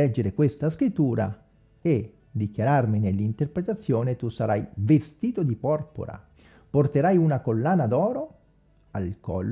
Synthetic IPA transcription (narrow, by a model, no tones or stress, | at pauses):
ɛd͡ʒːeɾekwest̪askɾit̪ːuːɾa̰ | e | d̪ikjaɾarminelːint̪erpɾet̪at̪sːjoːnet̪usaɾajvest̪iːt̪od̪ipɔrpo̰ɾa̰ | port̪eɾajunakolːaːnad̪ɔːɾo | alkɔ̰lː